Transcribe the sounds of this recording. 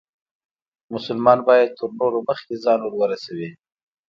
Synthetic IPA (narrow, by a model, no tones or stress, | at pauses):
mʊsʊlmɑnbɑjad̪̚t̪ʰəɾnoɾoməxkezɑnwəɾwəɾasawi